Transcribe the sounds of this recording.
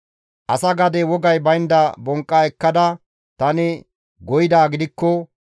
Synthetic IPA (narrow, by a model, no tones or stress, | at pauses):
ʔɐsɐɡɐd̪ɛwɔɡɐjbɐjnd̪ɐbɔŋkʼːaɛkːɐd̪ɐ | t̪ɐnɪ | ɡɔjɪd̪aːɡɪd̪ɪkːɔ